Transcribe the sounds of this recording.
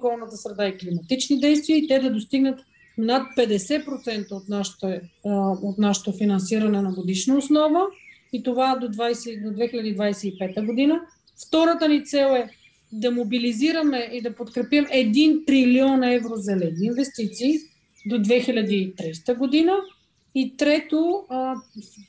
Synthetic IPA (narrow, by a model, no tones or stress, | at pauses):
okɔlˠnət̪əsɾɛd̪aiklimɐt̪it͡ʃnid̪ɛjst̪viəit̪ɛd̪ɐd̪ost̪iɡnət̪ | nat̪̚pɛd̪ɛsɛpɾot̪sɛnt̪əot̪naʃt̪ | ot̪naʃo̥t̪ofinɐnsiɾɐnɛnɐɡod̪iʃnəosnɔvə | it̪ovaɛd̪od̪vajsɛd̪od̪vɛxilʲɐd̪id̪vajsɛipɛt̪əɡod̪inə | ft̪ɔɾət̪ənit̪sɛlˠɛ | d̪ɐmobiliziɾɐmɛʔid̪ɐpot̪kɾɛpimɛd̪int̪ɾiliɔnɐɛvɾozɛlɛd̪niːnvɛst̪it̪siː | d̪od̪vɛxilʲɐd̪iːt̪ɾist̪əɡod̪inə | it̪ɾɛt̪o